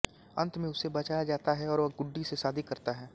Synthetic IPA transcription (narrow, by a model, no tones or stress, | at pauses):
ɐ̰̃nt̪mẽʊsebɐt͡ʃaːjad͡ʒaːt̪aɦɛɔːɾʋɐɡʊɖːisesaːd̪ʱikɐɾt̪aɦɛː